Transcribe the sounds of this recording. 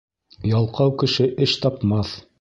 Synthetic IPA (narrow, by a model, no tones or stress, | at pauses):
jɑlˠqɑwkɘ̆ʃɘʔɘʃt̪ɑpmɑθ